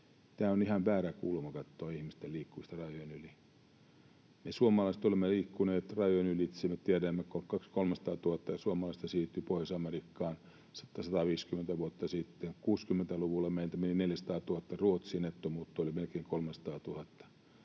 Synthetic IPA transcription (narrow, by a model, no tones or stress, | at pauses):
t̪æːonihɑmʋæːrækṵːlmɑkɑt̪ːoːihmist̪eliːkːuist̪ɑrɑjoinyli | mesuomɑlɑist̪olimːeliːkːuneːt̪rɑjoinylit̪simet̪iæɾæmːækokɑkskolmesɑ̥t̪ɑːt̪uhɑt̪ːɑjɑsuomɑlɑˑist̪ɑsiːt̪ːypoisɑmerikːɑːn | sɑ̥t̪ːɑsɑt̪ɑʋiːskyment̪æʋuot̪ːɑsit̪ːekuːskymːent̪æluʋulːɑmeˑiænt̪æmenineljæsɑ̥t̪ɑːt̪uhɑt̪ːɑruot̪siːnet̪ːomuːt̪ːoolimelkeiŋkolmesɑ̥t̪ɑːt̪uhɑt̪ːɑ̥